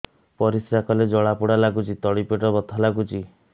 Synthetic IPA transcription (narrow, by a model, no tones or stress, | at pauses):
pɔɾisɾakɔled͡ʒɔɭapuɽalaɡut͡ʃʰit̪ɔɽipeʈɔbɔt̪ʰɔlaɡut͡ʃʰi